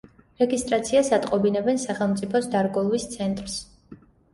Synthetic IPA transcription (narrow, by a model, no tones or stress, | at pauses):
ɾɛɡist̪ʼɾat̪sʰiasat̪ʼqʼɔbinɛbɛnsaχɛlˠmt̪sʼipʰɔsd̪aɾɡɔlˠvist̪sʰɛnt̪ʼɾs